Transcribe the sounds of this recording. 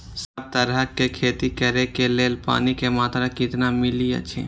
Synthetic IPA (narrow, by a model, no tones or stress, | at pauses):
səb̚t̪əɾəkekʰeːt̪ikəɾekeleːlpa̰ːnikemaːt̪ɾakɪt̪namɪlijə̰t͡ʃʰḛ